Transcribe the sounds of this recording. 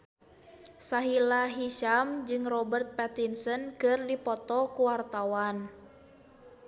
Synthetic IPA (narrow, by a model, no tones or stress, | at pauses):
saɦilaɦiʃamd͡ʒɨŋrɔbərt̪̚pɛt̪insənkɨrdipɔt̪ɔkuwart̪awan